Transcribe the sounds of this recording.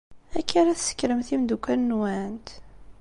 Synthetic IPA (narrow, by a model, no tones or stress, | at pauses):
ækːaɾæθsə̥kːɾəmθimd̪ukʷːænːwænt̪